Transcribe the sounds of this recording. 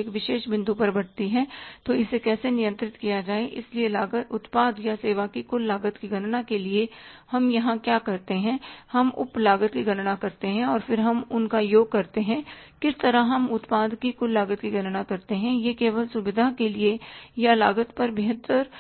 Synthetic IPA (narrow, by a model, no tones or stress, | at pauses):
kʋɪʃeːʃbɪ̃nd̪ʱupɐɾbɐɽt̪iɦɛt̪oɪsekɛːsenɪjə̃nt̪ɾɪt̪kijad͡ʒaːeʔɪ̰slielaːɡəʊt̪paːd̪jaseːʋakikʊlːaːɡət̪kiɡɐnnakeliehɐmjɐɦãkjaːkɐɾt̪eɦɛ̃hɐmʊ̰plaːɡət̪kiɡɐnnakɐɾt̪eɦɛ̃ɔːɾfɪɾɦɐmʊnkajoːɡ̚kɐɾt̪eɦɛ̃kɪst̪ɐɾəɦɐmʊt̪paːd̪kikʊlːaːɡət̪kiɡɐnnakɐɾt̪eɦɛ̃jekeːʋəlsʊʋɪd̪ʱakeliejalaːɡət̪pɐɾbɪɦət̪ːəɾ